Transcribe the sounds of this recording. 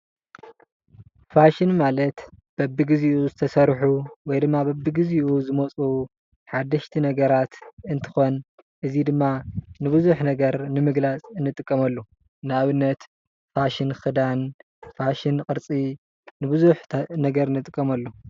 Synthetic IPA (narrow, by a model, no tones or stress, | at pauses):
faʃinmalɐt̪ | b̥ɐbːiɡɨziʔuzɨt̪ʰɐsɐɾħuwɔjd̪ɨmːabɐbːiɡiziʔuzɨmot͡sʼu | ħad̪ːɐʃt̪ʰinɐɡɐɾat̪ɨnt̪ʰɨ̥xo̞n | ʔɨzid̪ɨmːanɨβɨzuħnɐɡɐɾnɨmɨɡlat͡sʼɨnːɨt̪ʼɨkʼːɐmɐlːo | nɨaβɨnːɐt̪ | faʃɪnxɨd̪an | faʃɪnkʼɨɾt͡sʼi | nɨbɨzuħnɐɡɐɾɨnːɨt̪ʼɨkʼːɐmɐlːo